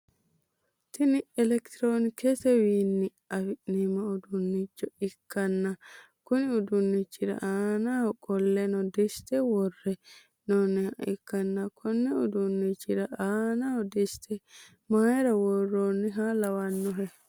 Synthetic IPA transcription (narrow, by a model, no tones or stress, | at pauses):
t̪ɪnɪɛlɛkt̪ɾoːnɪkɛsɛwiːnːɪ | ɐwɪnimɐʊd̪ʊnːɪt͡ʃːɔɪkːɐnːɐ | kʊnɪʊd̪ʊnːɪt͡ʃːɪɾɐ̰ʔaːnahɔkʼɔlːɛnɔd̪ɪst̪ɛwɔrːɛ | nonːɪhaɪkːɐnːɐkʰɔnːɛʊd̪ʊnːit͡ʃːɪɾɐaːnahɔd̪ɪst̪ɛ | maːjɛɾɐwɔrːonːɪɦalɐwɐnːɔɦɛ